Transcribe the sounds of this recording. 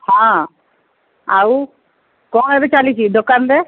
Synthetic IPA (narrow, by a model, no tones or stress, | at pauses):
hã | aw | kɔ̃ɛbet͡ʃalit͡ʃʰid̪okanbe